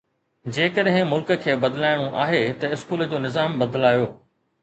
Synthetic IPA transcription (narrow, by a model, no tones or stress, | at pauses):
d͡ʑeːkəɗɦɪ̃mʊlkə̆kʰeːbɐd̪laːɪɽ̃oʔaːɦet̪ɐɪskuːləd͡ʑoːnɪzaːmbɐd̪laːjoː